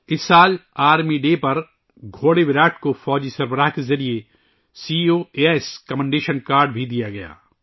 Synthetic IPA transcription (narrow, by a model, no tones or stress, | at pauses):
ɪsːaːlaːɾmiɖeːpɐɾ | ɡʱoːɽeʋɪɾaːʈkofɔːd͡ʒisɐɾbəɾaːɦkezɐɾie | siːoːeːskɐmɛ̃ɳɖeːʃənkaːɾɖbʱid̪ijaɡɐja̰ː